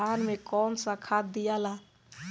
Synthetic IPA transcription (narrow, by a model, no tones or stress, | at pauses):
aːnmẽkɔːnsakʰat̪̚d̪ɪjaːlaː